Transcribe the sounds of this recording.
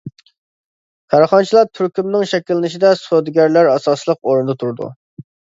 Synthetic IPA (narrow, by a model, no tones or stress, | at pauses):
kʰɑɾχɑnt͡ʃʰilˠɑɾt̪ʰyɾkʲymnɪŋʃɛkʲilˠːɪnɪʃid̪ɛsod̪ɡʲæɾlæɾɑsɑslˠəqoɾɨnd̪ɑt̪ʰuɾd̪ṵ